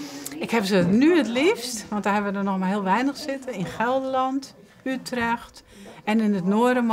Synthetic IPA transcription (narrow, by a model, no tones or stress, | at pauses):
ɪkhɛbəsənyətlifstʋɔnt̚daɦɛbəʋədɔnɔxmaɦɪəlˠʋɛjnəxsɪtəɪnxɛlˠdəlɔnt | ytrɛxt | ɛnɪnətnoəɾəm